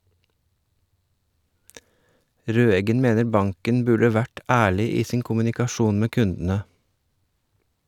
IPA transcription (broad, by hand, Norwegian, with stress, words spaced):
ˈɾøːɛɡən ˈmeːnəɾ ˈbɑŋkən ˈbʉɖə ˈʋæʈ ˈæːɭɪ ˈiː ˈsiːŋ kʊmʉnɪkɑˈʃuːn ˈmeː ˈkʉndənə